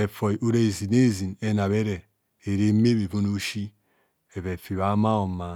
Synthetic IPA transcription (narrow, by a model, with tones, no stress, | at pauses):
e˨fo˨i˨ʔo˦˨ɾe˦˨zi˨ne˦˨zi˨ne˦na˨βe˦ɾe˨ | e˨ɾe˦me˦be˨vo˦no˦ʃi˦ | e˨βe˨fi˨βa˨˦ma˦o˨ma˨